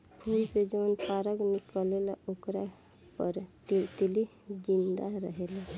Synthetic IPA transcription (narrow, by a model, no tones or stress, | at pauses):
pʰuːlsed͡ʒəwnpaɾəɡmekəlelaokɾa | pəɾtt̪ili | d͡ʒĩnd̪aɾəɦela